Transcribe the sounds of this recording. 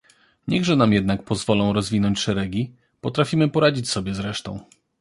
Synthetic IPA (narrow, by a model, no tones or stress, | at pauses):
ɲɛɣʐɛnamjɛd̪nak̚pɔzvɔlɔ̃w̃ɾɔzvʲinɔɲt͡ɕʂɛɾɛɡʲi | pɔt̪ɾafʲimɘpɔɾad͡ʑit͡ɕsɔbʲjɛzɾɛʂt̪ɔ̰̃w̃